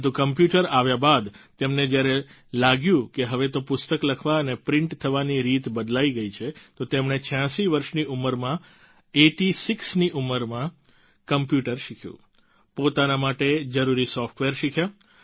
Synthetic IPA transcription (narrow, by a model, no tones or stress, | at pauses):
t̪̬ukəmpjuʈəɾaʋjabad̪t̪emned͡ʒjaɾe | laɡjũkeɦəʋet̪opʊst̪əkləkʰʋaənepɾɪɳʈt̪ʰəʋaniɾit̪bəd̪laiɡəit͡ʃʰet̪ot̪emɳ̃et͡ʃʰjãʃiʋəɾʃniʔuməɾmã | eʈisiksniʔuməɾmã | kəmpjuʈəɾʃikʰjṵ̃ | pot̪anamaʈed͡ʒəɾuɾisɔfʈʋeɾʃikʰja